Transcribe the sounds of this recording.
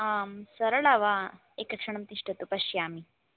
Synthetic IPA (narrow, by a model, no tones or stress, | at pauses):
amsɐɾɐɭaʋa | ekɐkʂɐɳ̃ɐmt̪iʂʈɐt̪upɐɕjaːmi